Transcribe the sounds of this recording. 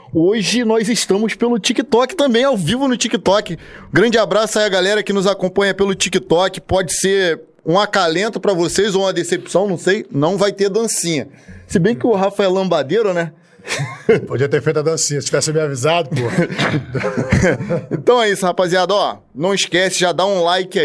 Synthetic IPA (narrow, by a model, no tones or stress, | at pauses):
oʒɪnɔjzɪʃt̪ɐ̃mʊspelʊt͡ʃikɪt̪ɔkɪ̥t̪ɐ̃mbẽj̃awvivʊnʊt͡ʃikit̪ɔkɪɡɾɐ̃nd͡ʒɪabɾasʊɛɐɡalɛɾɐkɪnʊzakõpɐ̃ɲɐpelʊt͡ʃikɪt̪ɔkɪ̥pɔd͡ʒɪseɾ | ũakalẽnt̪ʊpɾɐvosejzoũmɐd̪esepsɐ̃w̃nɐ̃w̃sejnɐ̃w̃vajt̪ed̪ɐ̃sĩɲɐsɪbẽj̃kɪʊɦafaɛlɐ̃bad̪eɾʊnɛ | pod͡ʒiɐt̪eɾfejt̪ɐd̪ɐ̃sĩɲɐsɪ̥t͡ʃivɛsɪbeavizad̪ʊpohɐ | ẽt̪ɐ̃w̃ɛisʊhapaziad̪ʊɔ | nɐ̃w̃ɪʃkɛsɪʒad̪aũlajkɪa